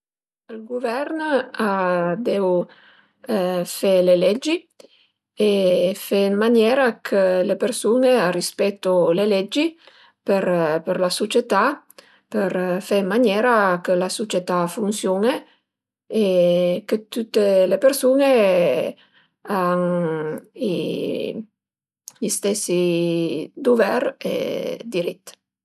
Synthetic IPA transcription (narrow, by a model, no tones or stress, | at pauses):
əlɡuvɛrnad̪ew | fɛlelɛd͡ʒi | efenmanjɛːɾakʰəlepersunearispɛt̪ːolelɛd͡ʒːi | pəɾpəɾlasot͡ʃet̪a | pəɾfɛmmanjɛːɾakəlasot͡ʃet̪afunsjoːne | ekət̪ut̪ːelepeɾsuːne | an | ḭ | ʎist̪ɛsːi | d̪ovɛrḛd̪iɾit̪ː